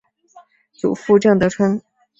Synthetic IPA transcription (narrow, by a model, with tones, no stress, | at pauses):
t͡sṵ˨˩fu˥˧ʈ͡ʂɤ˥˩ŋt̪ɤ˧˥ʈ͡ʂʰwə˥ŋ